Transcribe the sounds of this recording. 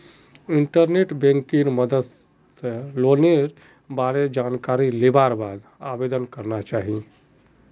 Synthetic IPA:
iɳʈəɾneʈbẽŋkinməd̪əd̪ | seloneɾ | baɽed͡ʒankaɾilebaɾbad̪abed̪ənkəɾnat͡ʃaɦi

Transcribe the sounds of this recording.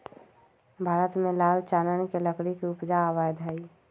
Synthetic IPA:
bʱaːɾət̪mẽlaːlt͡ʃanənkeləkɽikiʊpd͡ʒaːbajd̪ɦəi

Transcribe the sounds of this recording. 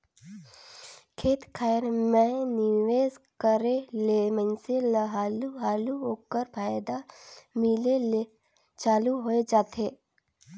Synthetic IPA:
kʰeːt̪kʰajɾmẽnɪʋeːzkəɾelemə̃nseləɦaːluɦaːluɦoːkəɾpʰaːjd̪amɪlele | t͡ʃaːluɦoed͡ʒaːt̪eː

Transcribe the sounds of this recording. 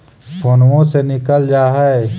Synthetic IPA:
pʰoːnʋõsenɪkəld͡ʒaːɦɛe

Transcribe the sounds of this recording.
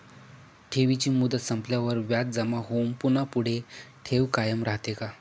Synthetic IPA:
ʈʰeʋit͡ɕiːmud̪ət̪səmpljaʋəɾʋjat̪̚d͡zəmaɦompunapuɽ̤eʈʰeʋkajəmɾaɦt̪eka

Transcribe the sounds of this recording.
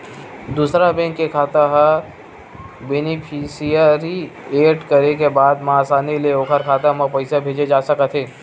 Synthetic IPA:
d̪uːsɾabɛ̃ːŋkːekʰaːt̪aɦa | beːnɪpʰisijəɾieːʈkəɾek̬ebaːd̪maːsaːnileoːkʰəɾkʰaːt̪amɐ̃pɐɪsabʱeːd͡ʒed͡ʒaːsəkət̪ʰɦeː

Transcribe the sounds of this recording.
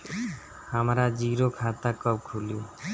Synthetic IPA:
hamɾad͡ʒiɾokʰat̪akɔb̚kʰuli

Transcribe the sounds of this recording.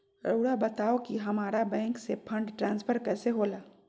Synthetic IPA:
ɾoːɽabɐt̪aːokiɦɐmaːɾabɛ̃ːŋksepʰɐ̃ɳɖʈɾãːnspʰəɾkɛːseɦoːlaː

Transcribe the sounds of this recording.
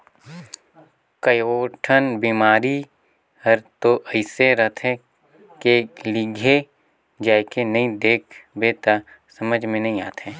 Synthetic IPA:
kəjoːʈʰənbiːmaːɾi | həɾt̪oʔɐɪseɾɐɦt̪ʰɦɛ̃ | kelɪɡʱe | d͡ʒaːjkenɐɦĩd̪eːkʰbeːt̪a | sɐməd͡ʒʱmẽnɐɦĩaːt̪ɦɛː

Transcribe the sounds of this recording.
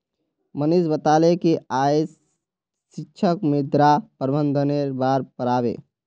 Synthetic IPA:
mənisbət̪aːlekeaje | sikʃʰəkmed̪ɾapəɾbənd̪ʱəneɾbaɾpəɾaːbḛː

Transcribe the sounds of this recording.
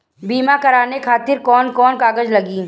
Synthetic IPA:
biːmakɐɾaːnekʰaːt̪ɪɾkɔːnkɔːnkaːɡəd͡ʒlɐɡiː

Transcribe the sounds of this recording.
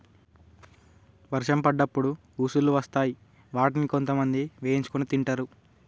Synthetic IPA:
ʋɐɾʃɐmpɐɖːɐpːuɽu | uːsulːuʋɐst̪aːji | ʋaːʈiniko̞nt̪ɐmɐnd̪iʋeːint͡ʃukunit̪iɳʈɐɾu

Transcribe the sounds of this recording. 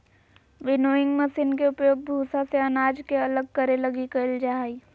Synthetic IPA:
ʋɪnoːɪ̃ŋɡmɐsinkeʊpjoːɡ̚bʱuːsaseɐnaːd͡ʒkeɐləɡ̚kɐɾelɐɡikɐld͡ʒaːɦi

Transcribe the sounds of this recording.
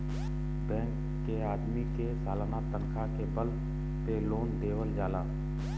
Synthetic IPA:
bɛ̃ːŋkːeaːd̪mikesaːlanat̪ənkʰakebəl | peloːnd̪eːʋəld͡ʒaːlaː

